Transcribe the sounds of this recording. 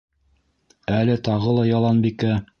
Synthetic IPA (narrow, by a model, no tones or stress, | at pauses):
ælɘt̪ɑʁɤlˠɑjɑlˠɑnbikæ